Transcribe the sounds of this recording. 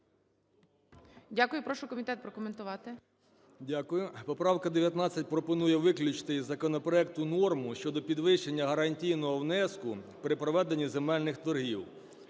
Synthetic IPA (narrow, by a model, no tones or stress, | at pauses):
dʲakʊjʊpɾɔʃʊkɔmʲit̪ɛt̪̚pɾɔkɔment̪ʊʋɑt̪ɪ | dʲakʊjʊpɔpɾɑwkɐd̪eʋʲjɐt̪nɑt͡sʲːɐt̚ʲpɾɔpɔnujɛʋɪklʲʊt͡ʃt̪ɪzɐkɔnɔpɾɔɛk̚t̪ʊnɔrmʊʃt͡ʃɔd̪ɔpʲid̪ʋɪʃt͡ʃenʲːɐɦɐɾɐnʲtʲijnɔɦɔwnɛskʊ | pɾɪpɾɔʋɛd̪enʲːizemɛlʲnɪxt̪ɔrɦʲiw